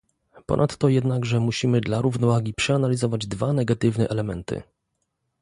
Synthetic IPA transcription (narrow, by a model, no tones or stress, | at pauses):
pɔ̰nat̪ːɔjɛd̪naɡʐɛmuɕimɘd̪laɾuvnɔvaɡʲipʂɛanalʲizɔvad͡ʑd̪vanɛɡat̪ɘvnɛʔɛlɛmɛnt̪ɘ̰